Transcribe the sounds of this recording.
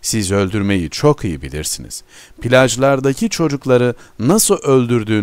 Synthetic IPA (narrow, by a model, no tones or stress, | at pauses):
sizø̞lʲd̪yɾme̞jit͡ʃʰo̞kʰijibilʲḭɾsinḭz̥ | pʰilʲaʒlˠaɾd̪acʰit͡ʃʰo̞d͡ʒuklˠaɾɯnasɯlˠʔølʲd̪yɾd̪yː